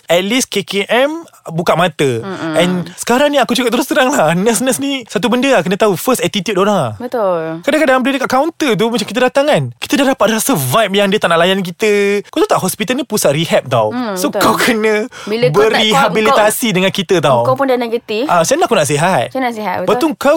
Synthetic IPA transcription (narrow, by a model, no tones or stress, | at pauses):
ʔɛt̪̚liskekeʔɛmbukat̪ʔmat̪əɛnsə̥kaɾaŋnĩakut͡ʃukap̪̚əɾʊsk̪əɾaŋlanəsnəsnisat̪̬ubəndəlakənət̪aufəst̪ɛt̪it̪jut̚oɾaŋbət̪ʊlkadãŋkadãjãmbələdəkaʔkawnt̪ət̪̬umət͡ʃamkit̪ədat̪aŋkanki̥t̪ədahdapat̪̚lasəvajp̚jaŋdiət̪anaʔlajank̬it̪əkawt̪ut̪aʔɦɔspit̪aəlnĩpusaʔrihɛp̚t̪a̰wsokawkʰənə̃bəriɦabilit̪asidəŋankit̪ət̪awkawpʊndanaɡət̪iʔasanakunaʔs̬iɦat̪̚naʔsiɦabət̪uŋkaw